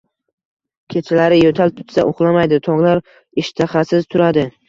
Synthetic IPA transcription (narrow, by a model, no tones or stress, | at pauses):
kʲʰet͡ʃʰɪlaɾɪjot̪ʰal̚t̪ʰʊ̥t̪sa̰ʔoqlˠamajd̪ɪt̪ʰɒŋlˠaɾ | ɪʃt̪ʰaχasɪzt̪ʰʊɾad̪ɪ